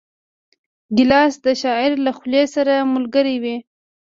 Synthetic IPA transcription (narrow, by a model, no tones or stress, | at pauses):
ɡɪlɑsd̪əʃɑɪɾlaxlesaɾamʊlɡəɾiwi